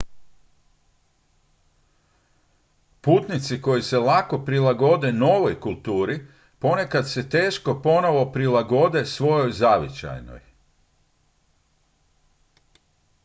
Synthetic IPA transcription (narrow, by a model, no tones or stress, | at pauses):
puːt̪nit̪siko̞jise̞lako̞pɾilaɡo̞d̪e̞no̞ʋo̞jkulˠt̪uːɾi | po̞ne̞kad̪se̞t̪e̞ːʃko̞po̞no̞ʋo̞pɾilˠaɡo̞d̪e̞sʋo̞jo̞jzaʋit͡ɕa̰jno̰j